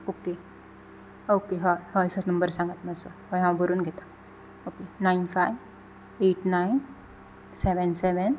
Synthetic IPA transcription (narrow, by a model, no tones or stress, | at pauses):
oke | okeɦɔjhɔjsɔtnəmbəɾsãŋɡət̪məsɔhɔjɦãwbəɾunɡʱɛt̪a | okenainfʰajʋ | eʈnajn | sɛʋɛnsɛʋɛn